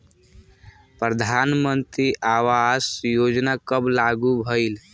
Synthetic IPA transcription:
pɾəd̪ʱanmə̃nt̪ɾiʔaːʋasjoːd͡ʒnakəblaɡubʱəil

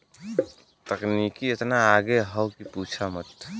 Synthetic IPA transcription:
t̪əkniːkiɪt̪naaːɡeɦəwkipuːt͡ʃʰamət̪

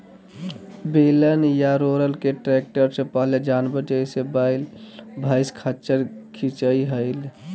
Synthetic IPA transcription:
belənjaɾoɾəlkeʈɾek̚ʈəɾsẽpəɦled͡ʒanbəd͡ʒəisebaɪlbʱaɪskʰat͡ʃəɾkʰit͡ʃəiɦəɪl

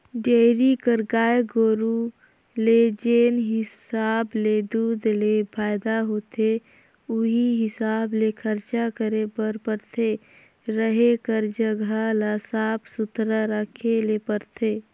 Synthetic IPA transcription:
ɖeɾikəɾɡaːeɡoːɾu | led͡ʒeːnɦɪsaːbled̪ud̪lepʰaːɪd̪aɦoːt̪e | ʊɦiɦɪsaːblekʰəɾt͡ʃakəɾepəɾpəɾt̪ʰe | ɾəɦekəɾd͡ʒəɡʱalasaːpʰsʊt̪ɾəɾəkʰelepəɾt̪ʰeː

